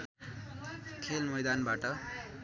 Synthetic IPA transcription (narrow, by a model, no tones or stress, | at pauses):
kʰelmʌjd̪anbaʈʌ